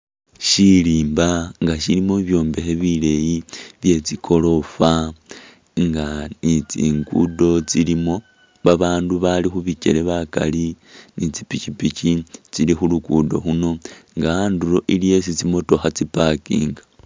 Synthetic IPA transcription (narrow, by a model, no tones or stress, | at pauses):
ʃiliːmbaŋɡaʃilimoβjo̞ːmbe̞xeβile̞jiβje̞t͡sikʰo̞lo̞fa | ŋɡanit͡sḭːŋɡṵdo̞t͡silimo̞ | βaβaːnduβalixuβice̞̰leβaka̰li | nit͡sipicipicit͡silixulukudo̞xuno̞ŋɡaandulo̞ʔilije̞s̬it͡simo̞to̞xat͡sipakḭːŋɡḁ